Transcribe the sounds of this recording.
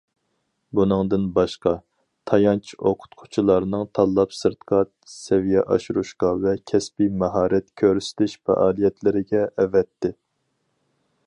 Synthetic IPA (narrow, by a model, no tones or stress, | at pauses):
bunɨŋd̪ɨnbɑʃqɑ | t̪ʰɑjɑnt͡ʃʰoqʰʊ̥t̪qʰʊ̥t͡ʃʰilˠɑɾnɨŋt̪ʰɑlˠːɑpsɨɾt̪qʰɑt̪̚sɛvijɛʔɑ̰ʃuɾuʃqɑvɛkʲʰɛspimɑɦɑːɾɛt̪kʲʰøɾsɪ̥t̪ʰɪʃfɛ̰ʔɑːlˠijɛt̪ʰlɪɾɪɡʲɛʔːvɛt̪ːɪ